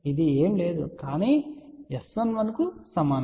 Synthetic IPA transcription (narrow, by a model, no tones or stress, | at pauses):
id̪ieːmle̞ːd̪ukaːniːesʋɐnʋɐnɐkusɐmaːn